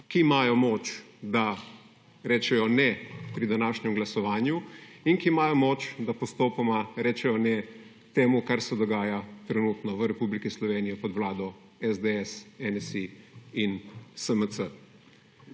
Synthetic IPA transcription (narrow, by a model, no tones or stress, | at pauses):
kimaːjɔmoːt͡ʃd̪a | ɾɛːt͡ʃɛjɔnɛpɾid̪anaːʃɲɛmɡlasɔʋaːnjuiŋkimaːjɔmoːt͡ʃd̪apɔst̪oːpamaɾɛːt͡ʃɛjɔnɛ | t̪eːmukaɾsɛd̪ɔɡaːjat̪ɾɛnuːt̪nɔʋəɾɛpublikislɔʋeːnijɔpɔd̪wlaːd̪ɔ | ɛzd̪eɛsɛnsiinsəməsə